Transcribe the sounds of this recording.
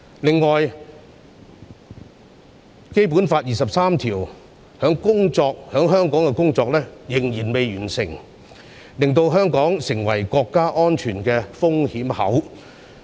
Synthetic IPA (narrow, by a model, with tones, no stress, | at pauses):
lɪ˨ŋːɔː˨j | ke˥jp̬u˨˥nfaː˧t̚jiː˨˩sɐ˨p̚saː˥mt̪ʰiː˨˩w | hœː˨˥ŋkʊ˥ŋt͡ʃɔː˧k̚hœː˨˥ŋɦœː˥ŋkɔː˨˥ŋkɛ˧kʊ˥ŋt͡ʃɔː˧k̚lɛː˥jɪ˨˩ŋjiː˨˩nme˨˧jɥyː˨˩nsɪ̰˨˩ŋ | lɪ˨ŋt̪o˧wɦœː˥ŋkɔː˨˥ŋsɪ˨˩ŋwɐ˨˩jkɔː˧kːaː˥ʔɔː˥nt͡ʃʰyː˨˩nkɛː˧fʊ˥ŋhiː˨˥mhɐ̰˨˥w